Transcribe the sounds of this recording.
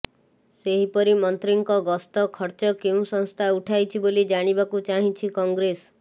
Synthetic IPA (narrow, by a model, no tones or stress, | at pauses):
seɦipɔɾimɔnt̪ɾiŋkɔɡɔst̪ɔkʰɔɾt͡ʃɔkeũsɔ̃ŋst̪ʰauʈʰajt͡ʃʰibolid͡ʒaɽ̃ibakut͡ʃaɦĩt͡ʃʰikɔŋɡɾes